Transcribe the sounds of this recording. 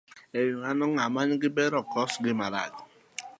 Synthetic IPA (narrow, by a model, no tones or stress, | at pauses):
ejuŋanɔŋamaɲɪɡɪbeɾɔkɔsɡɪmaɾa̰ɡɔ